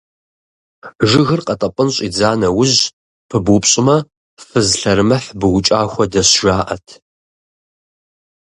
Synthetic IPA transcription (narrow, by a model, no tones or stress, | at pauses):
ʒɪɣɨrqʼɐtʼɐpʼənɕʼid͡zaːnɐwʊʑ | pʰɨbʊpɕʼɪmɐ | fɨzɬɐɾɨmɐħbɨɣʊt͡ʃʼaːxʷɔdɐɕʒaːʔɐ̰tʰ